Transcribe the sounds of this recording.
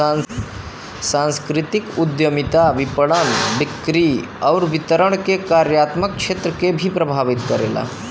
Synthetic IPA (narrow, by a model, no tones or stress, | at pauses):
sãnskɾit̪ikud̪jəmit̪aʋipəɽənbikɾi | awɾʋit̪əɾəɳ̃kekaɾjat̪mək̚kʃʰet̪ɾəkebʱipɾəbʱaʋit̪kəɾḛla̰